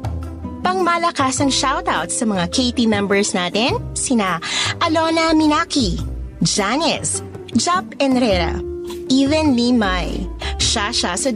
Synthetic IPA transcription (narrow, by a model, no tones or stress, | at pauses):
pɐŋmɐlɐkaːsɐŋʃawt̪awt̪sɐmɐŋakʰejt̪imɛmbɛɹsnaːt̪ɪnsɪnaʔɐlonɐmɪnaːkid͡ʒanɛs | d͡ʒapɛnɾɛɾɐ̰ʔivɛnlimajʃaʃasɐ